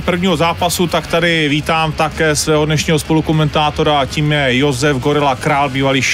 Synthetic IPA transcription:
pr̩vɲiːɦo̞zaːpasut̪akt̪adɪviːt̪aːmt̪akɛːsvɛːɦodnɛʃɲiːɦospo̞lukomɛnt̪aːt̪o̞ɾaciːmjɛjo̞zɛfɡoɾɪlakɾaːlbiːvaliʃ

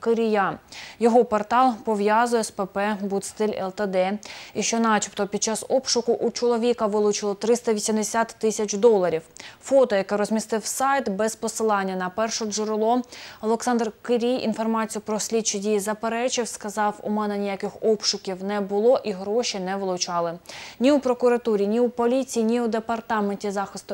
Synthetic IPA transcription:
kɪɾʲijajɔɦɔpɔrt̪ɑlˠpɔʋjazʊjɛspepɛbut̪st̪ɪlʲɛ̰lˠt̪ɐd̪ɛiʃt͡ʃɔnɑt͡ʃi̥pt̪ɔpʲid̪̥̚t͡ʃɑsɔpʃʊkʊʔut͡ʃɔlˠɔʋʲikɐʋɪlˠʊt͡ʃɪlˠɔt̪ɾɪst̪ɐʋʲisʲimd̪esʲat̪ːɪsʲɐt͡ʃd̪ɔlˠɐɾʲiwfɔt̪ɔjɐkɛɾɔzʲmʲist̪ɪwsɑjt̪bɛspɔsɪlˠɑnʲːɐnɐpɛrʃɔʒʊɾɪlˠɔɔlˠɛksɑnd̪rkɪɾʲijʔḭnfɔrmɑt͡sʲijʊpɾɔsʲlʲid̪̚t͡ʃidʲijizɐpeɾɛt͡ʃɪwskɐzɑwʊ̰mɛnɛnʲijakɪxɔpʃʊkʲiwnɛbʊlˠɔʔiɦɾɔʃʲinɛʋɪlˠʊt͡ʃɑlˠɪnʲiupɾɔkʊɾɐt̪uɾʲinʲiupɔlʲit͡sʲijinʲiʊd̪epɐrt̪ɑmenʲtʲizɑxɪst̪ʊ

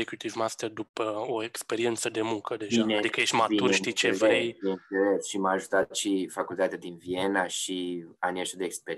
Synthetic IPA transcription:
ekɾut̪ivmast̪erd̪upəo̞e̞kspe̞ɾie̞nt̪səd̪e̞muŋkəd̪e̞ʒanad̪ikəjeʃʲt̪mat̪urʃit͡ʃe̞vɾejjenelesʃimaːʒut̪at̪ʃifakult̪at̪ad̪invienaʃianieʃt̪od̪eːkspe

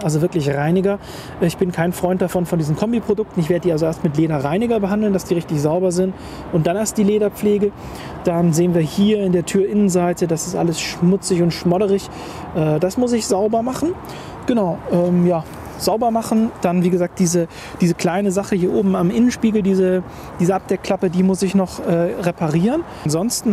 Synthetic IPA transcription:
ʔalzovɪɐklɪçʁaɪnɪɡɐ | ʔɛːɪçb̥ɪnkʰaɪnfʁ̥ɔʏnt̚d̥afɔnfɔndiːzn̩kʰɔmbipʁ̥odʊk̚tn̩ɪçv̥eːɐdədiːalzoeːɐstmɪtleːɾɐʁaɪnɪɡɐbəɦandl̩ndasd̥iːʁɪçtɪçz̥aʊbɐzɪnt | ʔʊntd̥aneːɐst̚d̥iːleːɾɐp͡fleːɡə | d̥anzeːənviːɐhiːɐɪndeːɐtʰyːɐʔɪnənzaɪtədasɪstʔa̰ləsʃmʊt͡sɪçʊntʃmɔɾəʁɪç | ʔɛːdasmʊsɪçz̥aʊbɐmaχn̩ | ɡ̥ənaʊʔɛːmjaː | z̥aʊbɐmaχn̩d̥anviːɡəzaːk̚d̥iːzə | d̥iːzəkl̥aɪnəzaχəhiːɐʔoːbm̩amʔɪnənʃpiːɡl̩diːzə | d̥iːzəʔap̚d̥ɛkʰːl̥apədiːmʊsɪçnɔχʔɛːʁepʰaʁiːʁən | nzɔnstn̩

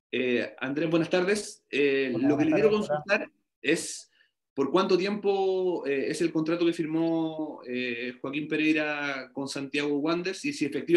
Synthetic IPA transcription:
ea̰nd̪ɾebwe̞nast̪aɾðeselokelekjeɾokonsut̪aɾ | e̞s | po̞ɾkwant̪ot̪je̞mpoeese̞lkont̪ɾat̪oke̞fiɾmoexwakimpe̞ɾejɾako̞nsant̪jaɣoɣwand̪eɾsisiefek̚t̪i

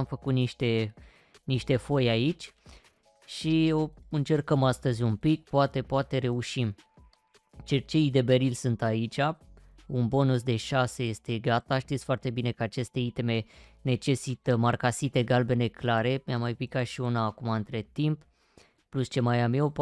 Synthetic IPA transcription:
mfəkut̪niʃt̪e̞ | niʃt̪e̞fo̞jait͡ʃʲ | ʃioɨnt͡ʃe̞rkəmast̪əzʲumpik̚poat̪e̞poat̪e̞ɾe̞uʃim | t͡ʃet͡ʃeid̪e̞be̞ɾilsɨnt̪ait͡ʃʲa | unbo̞nusd̪e̞ʃase̞je̞st̪e̞ɡat̪aʃt̪it̪sʲfoart̪e̞bine̞kəat͡ʃe̞st̪e̞it̪eme̞ne̞t͡ʃe̞sit̪əmarkasit̪e̞ɡalbe̞ne̞klaɾe̞mʲamːajpikat̪ʃiunaːkumaɨnt̪ɾe̞t̪imp | pːlust͡ʃe̞majamjewp

